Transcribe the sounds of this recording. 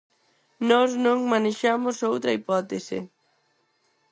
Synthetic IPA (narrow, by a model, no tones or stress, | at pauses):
nɔsnõŋmaneʃamʊsowt̪ɾɐipɔt̪esɪ̰